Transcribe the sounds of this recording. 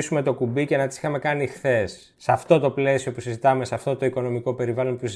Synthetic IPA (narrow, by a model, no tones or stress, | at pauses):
sume̞t̪o̞kubicenɐt̪i̥si̥xɐme̞kɐnixθe̞sːeɐft̪o̞t̪o̞ple̞sio̞pusizit̪ɐme̞sɐft̪o̞t̪o̞iko̞no̞miko̞pe̞ɾivɐlo̞npusi